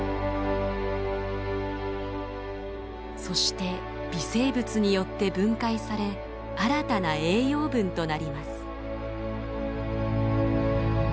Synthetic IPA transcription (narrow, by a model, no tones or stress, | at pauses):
so̞ɕi̥t̪e̞ | b̥ʲise̞ːbɯ̟t͡sɨɲ̟ijo̞t̪ːe̞bɯ̟̃ŋkaisaɾe̞ | aɾat̪anae̞ːjo̞ːbɯ̟̃nt̪o̞naɾʲimasɨ̥